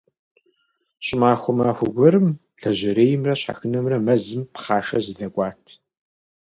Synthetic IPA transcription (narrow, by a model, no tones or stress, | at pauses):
ɕʼɪmaːxʷʊmaːxʷʊɡʷɐɾɨm | ɮɐʑɪɾeːjɪmrɐɕħa̰xɨnɐmrɐmɐzɨmpχaːʃɐ̰zɨɮɐkʷʼɑːtʰ